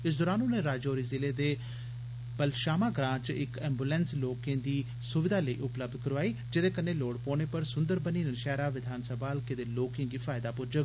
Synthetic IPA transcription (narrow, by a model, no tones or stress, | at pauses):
ɪsd̪ɔːɾaːnʊnẽːɾaːd͡ʒoːɾiːzɪleːd̪eː | bəlʃaːmaːɡɾãːt͡ʃɪkɛːmbuːlɛ̃ːnsloːkẽːd̪iː | sʊʋɪd̪ʱaːləḭːʔʊpləbd̪̚kəɾʋaːiːd͡ʒɪd̪eːkənːeːloːɽpoːɽ̃eːpəɾsʊnd̪əɾbəniːnəɾʃɛːɾaːʋɪd̪ʱaːnsəbʱaːlkeːd̪eːloːkɪ̃ːɡiːfʰaːɪd̪aːpʊɾd͡ʒəɡ